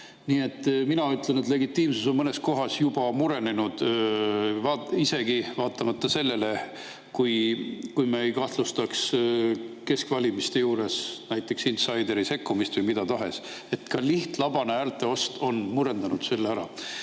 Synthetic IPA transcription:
niːe̞t̪ːˑminɑyt̪ːˑlenet̪le̞ɡit̪ːˑiːmsuso̞nmɤne̞sko̞ɦɑsjub̥ɑmuɾe̞ne̞nud̪̥ | vɑːise̞ɡivɑːt̪ːˑɑmɑt̪ːɑse̞lːe̞le̞ | kujkujmeejkɑht̪lust̪ɑks | ke̞skvɑlʲimist̪e̞juːɾe̞snæjt̪ːˑe̞ksinsɑjd̪e̞ɾise̞kːumist̪vɨjmid̪̥ɑt̪ɑɦe̞̰s | e̞t̪kɑliht̪lɑbɑneæːrt̪ˑːe̞o̞st̪o̞nmuɾe̞nd̪̥ɑnud̪̥se̞lːeæɾɑ̰

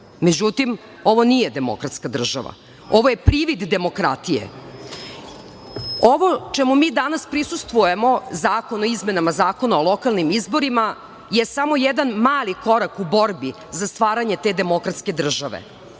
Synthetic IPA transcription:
me̞d͡ʑut̪im | o̞ʋonije̞d̪emo̰kɾat̪skad̪r̩ʒa̰ʋa̰ | o̞ʋoje̞pɾiʋid̪ːe̞mo̞kɾat̪ijḛ | oʋo̞t͡ʃɛmumiːd̪anaspɾisust̪ʋujemo̞zaːko̞noizmenamazaːko̞naolˠokalˠnimizbo̞ɾima | jesamo̞jɛd̪anmaːlikoɾakubo̞ɾbi | zast̪ʋaːɾaɲet̪ed̪e̞mo̞kɾat̪ske̞d̪r̩ʒaʋḛ

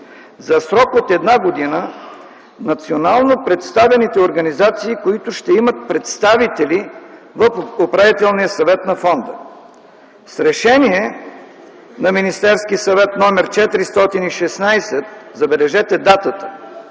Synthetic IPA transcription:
zɐsɾɔkot̪ɛd̪naɡod̪inə | nɐt̪sionalˠnopɾɛt̪st̪avɛnit̪ɛoɾɡɐnizat̪siːkoit̪ʊʃt̪ɛimət̪̚pɾɛt̪st̪avit̪ɛli | vəfopɾavit̪ɛlˠnijəsɐvɛt̪nɐfɔnd̪ə | sɾɛʃɛniɛ | nɐminist̪ɛɾskisɐvɛt̪nɔmɛɾt͡ʃɛt̪iɾist̪ɔt̪iniʃɛsnajsɛt̪zɐbɛlɛʒɛt̪ɛd̪at̪ət̪ə̥

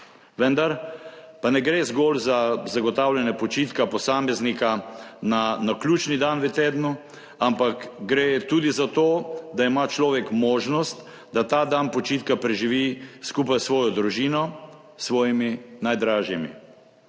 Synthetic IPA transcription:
ʋɛnd̪aɾ | panɛɡɾezɡɔːlzazaɡɔt̪awlʲjɛnɛpɔt͡ʃiːt̪kapɔsaːmɛznikananaklʲuːt͡ʃnid̪anʋət̪eːd̪nu | ampakɡɾet̪ud̪izat̪oːd̪aimat͡ʃlɔːʋɛkmɔːʒnɔst̪ | d̪at̪aːd̪anpɔt͡ʃiːt̪kapɾɛʒiʋiskuːpajsʋɔːjɔd̪ɾuʒiːnɔ | sʋɔːjiminajd̪ɾaːʒjɛmḭ

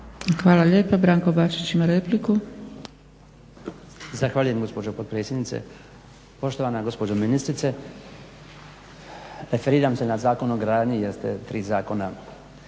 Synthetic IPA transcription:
xʋaːlaʎe̞ːpabɾaːŋko̞baːt͡ʃit͡ɕimaɾepliku | zaxʋaːʎuje̞mɡo̞spo̞d͡ʒopo̞d̪̚pɾe̞ːt̪sʲjed̪nit̪sḛ | po̞ʃt̪oʋanaɡo̞spod͡ʒominist̪ɾit̪se | ɾefeɾiːɾamsenazaːko̞noɡɾaːd̪ɲijeɾst̪e̞̰t̪ɾiːzaːko̞na

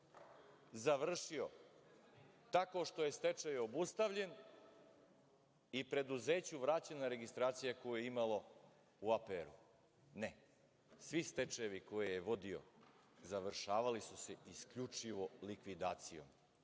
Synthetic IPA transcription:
zaʋr̩ʃio̞ | t̪ako̞ʃt̪o̞je̞st̪e̞t͡ʂejobust̪aʋʎe̞n | ipɾe̞d̪uze̞ːt͡ɕuʋɾat͡ɕanaɾe̞ɡist̪ɾaːt̪sijako̞jujeimalo̞ | uapeɾu | ne | sʋist̪et͡ʂeʋiko̞jejeʋo̞d̪io̞̰ | zaʋr̩ʃaːʋalisuse̞iskʎut͡ʂiʋo̞likʋid̪aːt̪sijo̞̰m

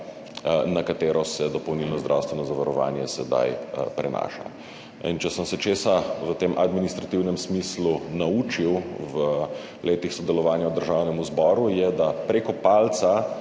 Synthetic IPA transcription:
nakat̪eːɾɔsɛd̪ɔpɔwnilnɔzd̪ɾa̰wst̪ʋɛnɔzaʋaɾɔʋa̰ːnjɛsɛd̪a̰jpɾɛna̰ːʃa̰ | int͡ʃɛsəmsɛt͡ʃeːsaʋət̪eːmʔad̪minist̪ɾat̪iwnɛmsmislunauːt͡ʃiwʋə | lʔeːt̪ixsɔd̪ɛlɔʋaːnjawd̪əɾʒawnɛmuzbɔːɾujɛd̪apɾekɔpalt̪sa

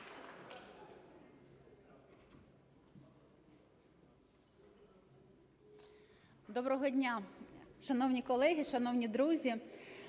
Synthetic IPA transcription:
d̪ɔbɾɔɦɔdʲnʲaʃɐnɔwnʲikɔlˠɛɦɪʃɐnɔwnʲid̪ɾuzʲi

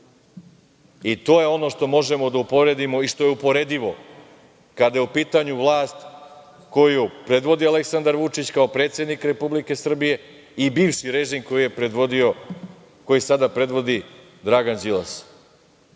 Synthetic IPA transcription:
it̪o̞ːjeo̞no̞ʂt̪o̞mo̞ʒemo̞d̪aupo̞ʋɾed̪imo̞iʃt̪o̞jeupo̞ɾed̪iʋo̞ | kad̪ajeupiːt̪aɲuʋlˠaːst̪ | ko̞jupɾe̞d̪ʋo̞d̪ialeksand̪aɾʋut͡ʂit͡ɕkaopɾet̪sje̞d̪nikɾe̞publike̞sr̩bije̞ | ibiːʋʃiɾeʒimko̞jije̞pɾeʋod̪io | ko̞jisad̪apɾe̞d̪ʋo̞d̪i | d̪ɾaɡanzilˠas

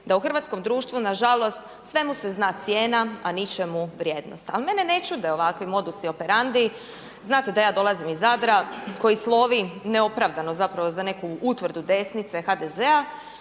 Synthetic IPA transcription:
d̪auxr̩ʋat̪sko̞md̪ɾuːʃt̪ʋunaʒalˠo̞st̪ | sʋe̞museznaːt̪sjeːnaanit͡ʃemuʋɾjeːd̪no̞̰st̪alime̞nene̞t͡ʃud̪eo̞ʋakʋimo̞d̪usio̞peɾand̪i | znaːt̪ed̪ajaːd̪o̞lˠazimizad̪ɾako̞jislˠo̞ʋineo̞pɾaːʋd̪ano̞zapɾaʋo̞zane̞kuut̪ʋr̩d̪ud̪e̞snit̪sexad̪ezea

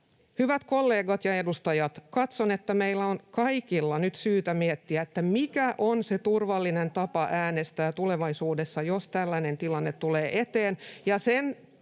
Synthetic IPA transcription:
hyʋæt̪ko̞lːe̞ːɡɑt̪jɑe̞dust̪ɑjɑt̪kɑt̪sonet̪ːæmeilːæonkɑikilːɑnyt̪syːt̪æmiet̪ːiæet̪ːæmikæʔonse̞t̪urʋɑlːinent̪ɑpɑʔæːnest̪æːt̪ule̞ʋɑisuːde̞sːɑjost̪ælːæne̞nt̪ilɑnːet̪ːuleːʔet̪eːnjɑsen

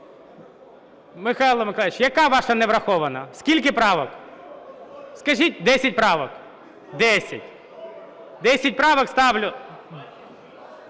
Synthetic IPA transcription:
mɪxɑjlˠɔmɪklˠɪt͡ʃjɐkɑʋɑʃɐnɛʋɾɐxɔʋɐnɐsʲkʲilʲkɪpɾɑʋɔk | skɐʒit̚ʲd̪ɛsʲɐt̚ʲpɾɑʋɔk | d̪ɛsʲɐtʲ | d̪ɛsʲɐt̚ʲpɾɑʋɔkst̪ɑʋlʲʊ

